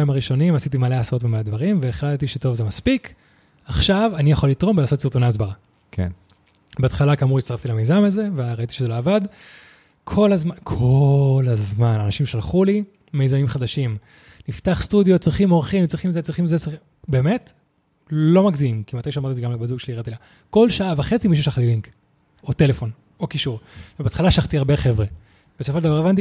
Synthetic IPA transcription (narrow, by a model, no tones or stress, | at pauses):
jimaʁiʃo̞nimasit̬imaleaso̞tvemale̞d̪vaʁimveːχlattiʃeto̞vzemaspik | aχʃavanijaχolit̪ʁo̞mbelaːso̞t̪siʁt̪oneaːsbaʁa | kn | beat̪χalakamuʁitst̪aʁaftilame̞jzamaze̞veʁait̪i̥ʃezeloavad | kʰo̞lazmakʰolazmananaʃimʃalχuli | me̞jzamimχad̪aʃim | nift̪aχst̪ud̪jo̞t̚t͡sʁiχimoʁχimt͡sʁiχimzet͡sʁiχimzet͡si | be̞ːmet | lo̞maɡziimkimat̪ajʃamaʁtiziɡamlabazuɡʃeliʁat̪ila | ko̞lʃaʔavaχe̞t͡simiʃ̬uʃaχliliŋk | o̞t̪e̞le̞fo̞n | o̞kiʃuʁvebeatχalaʃaχt̪iaʁbeχe̞vʁe | b̥esooʃld̪avaʁevant̪̬i